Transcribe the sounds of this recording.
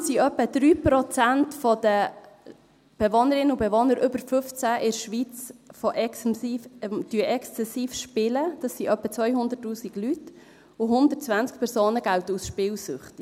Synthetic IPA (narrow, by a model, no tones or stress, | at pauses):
siœpːəd̪̥ɾyːpɾɔt͡sæntfɔd̪̥ə | b̥eʋonəɾɪnːəubeʋonəɾʏbəɾfʏft͡sæʔɪɾʃʋit͡sfɔʔɛkː | md̥yəʔɛkst͡sɛsiːfʃpɪləd̥ɑsːiʔœpːət͡sʋœjɦʊnd̪ətːuːsiɡ̥lyt | ʊɦʊnd̪ət̚t͡sʋænt͡sk̚pʰɛɾsoːnəɡ̥awt̪əusʃpɪːwsʏχt̪i